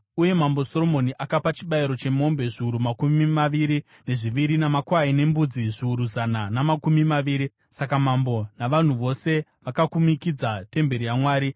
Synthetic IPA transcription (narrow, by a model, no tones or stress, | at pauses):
uje̞mambo̞so̞ɾo̞mo̞niʔakapat͡ʃiɓaiɾo̞t͡ʃe̞mo̞mbe̞ʐiuɾumakummimaʋiɾi | ne̞ʐiʋiɾinamakwaine̞mbud͡ziʐiuɾuzananamakumimaʋiːɾi | sakamambo̞naʋan̤uʋo̞se̞ʋakakumikid͡zate̞mbe̞ɾijamwaːɾi